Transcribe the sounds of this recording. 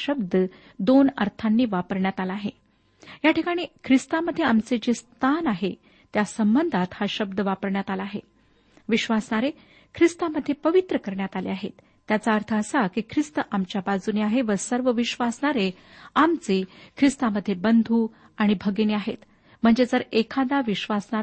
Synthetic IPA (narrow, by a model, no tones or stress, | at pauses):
ɕəbd̪ə | d̪onə̰ɾt̪ʰanːiːʋapəɾɳjat̪alaːɦe | jaʈʰikaɽ̃iːkʰɾist̪aməd̪ʱːjeamt͡sed͡ʑest̪ʰanaɦe | t̪jasəmbənd̪ʱat̪haɕəb̚d̪əʋapəɾɳjat̪alaːɦe | ʋiɕʋasɳaɾe | kʰɾist̪aməd̪ʱːjepəʋit̪ɾəkəɾɳjat̪alḛaɦḛt̪ːjat͡saəɾt̪ʰəəsakikʰɾist̪əʔamt͡ɕjabad͡zuneaɦeʋəɾsəɾʋəʋiɕʋasɳaɾe | amt͡sekʰɾist̪aməd̪ʱːjebənd̪ʱu | aɽ̃ibʱəɡeneaɦḛt̪ | m̤əɳd͡zed͡zəɾekʰad̪aʋiɕʋasɳa